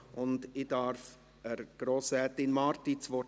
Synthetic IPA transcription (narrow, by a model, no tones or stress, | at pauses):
ʔʊndɪdɑɾf | əɾɡ̥ɾoːsɛt̪ɪnmɑɾtit͡sʋɔ